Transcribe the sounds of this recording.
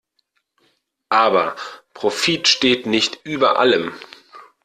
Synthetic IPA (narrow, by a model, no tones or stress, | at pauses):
ʔaːbɐpʁ̥ofiːtʃteːtnɪçtʔyːbɐʔa̰ləm